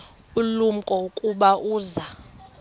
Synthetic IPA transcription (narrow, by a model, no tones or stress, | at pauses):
ulum̩kʼɔukʼuɓaʔuːza